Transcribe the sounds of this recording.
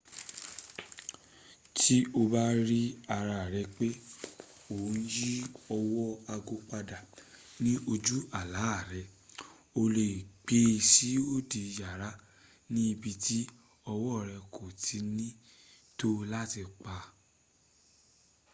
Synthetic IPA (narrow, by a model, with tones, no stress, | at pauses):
ti˦o˧ba˦ɾi˦a˧ɾa˨ɾɛ˧k͡pe˦ | o˨˦n̩˦ji˦ɔ˧wɔ˦a˧ɡo˧k͡pa˧da˨ | nĩ˦ʔo˧d͡ʒu˦a˨la˨˦˨ɾɛ˧ | o˧le˨ɡ͡be˧˦˧si˨˦o˦˨di˨˧ja˨ɾa˨˦ | nĩ˦i˧bi˧ti˦ | ɔ˧wɔ˦˨ɾɛ˧kʰo˨tʰi˨˦nĩ˦ | to˦la˦ti˧k͡pa˧